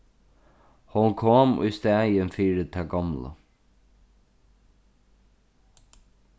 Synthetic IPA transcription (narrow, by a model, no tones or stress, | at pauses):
hʊnkʰoːmʊ̰jst̪æːjənfiːɹɪt̪ʰæɡɑmlə̰